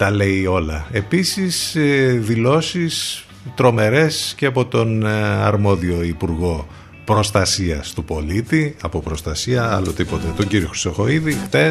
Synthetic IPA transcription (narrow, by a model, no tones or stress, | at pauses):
t̪ɐle̞io̞lɐepisisðilo̞sis | t̪ɾo̞me̞ɾe̞sceɐpo̞t̪o̞nɐ̰ɾmo̞ðio̞ipuɾɣo̞ | pɾo̞st̪ɐsiɐst̪upo̞lit̪iɐpo̞pɾo̞st̪ɐsiɐɐlo̞t̪ipo̞t̪e̞t̪o̞ɲɟiɾio̞xɾi̥st̪o̞xo̞iðixθe̞